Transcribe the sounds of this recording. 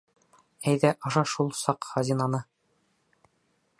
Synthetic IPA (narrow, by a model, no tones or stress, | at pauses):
æjðæʔɑʃɑʃulˠsɑqχɑzʲinɑnɤ